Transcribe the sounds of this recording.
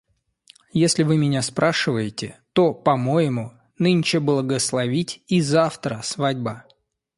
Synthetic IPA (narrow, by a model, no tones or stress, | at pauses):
jesʲlʲɪvɨmʲɪnʲaspɾʔaʂɨvəjɪtʲɪt̪o̞pɐmo̞jɪmu | nɨnʲɪt͡ɕɪblˠəɡəslˠɐvʲitʲizaft̪ɾəsvadʲba